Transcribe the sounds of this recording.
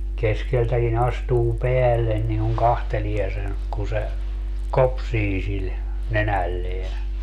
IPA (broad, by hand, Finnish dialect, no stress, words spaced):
keskeltækin ɑstuː peælːen niŋ kuŋ kɑhtelie sen ku se kopsiː sil nenælːeæ